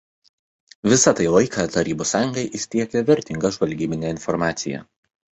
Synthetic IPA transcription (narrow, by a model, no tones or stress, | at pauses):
ʋʲɪsɐt̪ɐɪlˠɐɪkʰɑt̪ɐɾʲiːbuːsːɑːjʊŋɡɐɪʔɪʃʲt̪ʲiɛkʲɛʋʲɛɾʲt̪ʲɪŋɡɐʒʋɐlʲɡʲiːmʲɪnʲeɪnfɔɾmɑːt̪sʲɪ̰jɛ̰